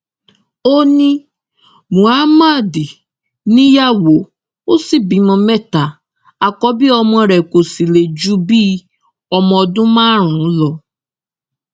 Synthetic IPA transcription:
o˦nĩ˦ | mu˨a˦ma˦˨di˨ | nĩ˦ja˦wo˨ | o˦si˦bi˨˦mɔ̃˨me˦ta˨ | a˨kɔ˦bɪ˦ɔ˦mɔ̃˦ɾe˨ko˨si˨le˨d͡ʒu˦bi˦ | ɔ˦mɔ˨dʊ̃˦ma˦ɾ̃ʊ̃˨˦lɔ˨

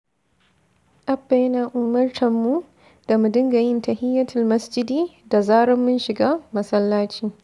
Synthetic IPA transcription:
ʔa˦bːa˨jnaː˨ʔu˨mɐ˦rt͡ʃʰɐ˨mːu˦ | d̥a˨mu˨dɪ˦ŋɡɐ˨jɪ˦ntɐ˨hɪ˦jːɐ˦tʰɪ˨lmɐ˦sd͡ʒɪ˦diː˦da˨zaː˦ɽɔ˦mːʊ˦nʃɪ˨ɡaː˦mɐ˨sɐ˦lːaː˦t͡ʃiː˨

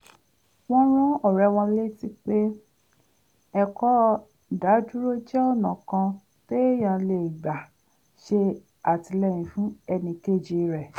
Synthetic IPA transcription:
w̃ɔ̃˦ɾ̃ũ˦ɔ˦˨ɾɛ˧w̃ɔ̃˧le˦ti˦k͡pe˦ | ɛ˧kɔ˦ | da˨˦du˦ɾo˦d͡ʒɛ˦ɔ˦˨nã˨kã˧ | ke˦jã˨le˨i˨ɡ͡ba˨ | ʃe˧ | a˨ti˧lɛ˦˨j̃ĩ˨fũ˦ɛ˧nĩ˧ke˦˨d͡ʒi˧ɾɛ˨

